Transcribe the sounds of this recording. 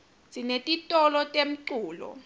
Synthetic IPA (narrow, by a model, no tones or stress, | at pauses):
zʼinetʼitʼɔlɔtʼem̩ǀuːlɔ̰